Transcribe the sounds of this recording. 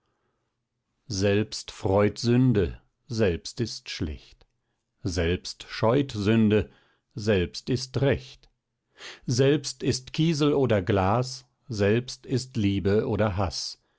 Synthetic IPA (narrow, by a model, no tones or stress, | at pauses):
zɛlpstfʁ̥ɔʏtz̥ʏndə | zɛlpstɪstʃlɛ̰çt | zɛlpstʃɔʏtzʏndə | zɛlpstɪstʁɛçt | zɛlpstɪstkʰiːzl̩oːdɐɡlaːs | zɛlpstɪstliːbəʔoːdɐɦas